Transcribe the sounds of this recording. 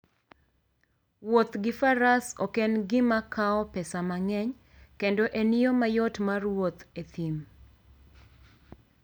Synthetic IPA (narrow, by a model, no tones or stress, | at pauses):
wot̪ɡɪfaɾasokenɡɪmakʰaɔpɛsamaŋɛɲ | kendoʔeniomajɔtmarwot̪et̪im